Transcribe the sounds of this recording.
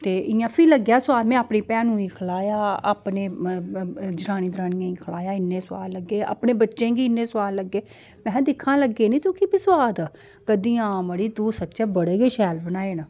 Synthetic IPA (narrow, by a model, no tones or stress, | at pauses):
t̪eːʔɪjãːpʰiːləɡjaːsʊwaːlmɛ̃ːaːpniːpɛ̃ːnũːiːkʰəlaːjaːa̰ːpneː | d͡ʒəɾaːñĩːd̪ɾaːniːãːĩːkʰəlaːjaːɪnːẽːsʊʋa̰ːlləɡːeːa̰ːpneːbətːʃẽːɡiːɪnːẽːsʊaːlːəɡːeː | mɛ̃ːd̪ɪkʰːãːləɡːeːnĩːt̪ũːkiːbɪswaːd̪ | kəd̪ĩːaːməɽiːd̪uːsətːʃɛːbəɽeːɡeːʃɛːlbənaːeːnəː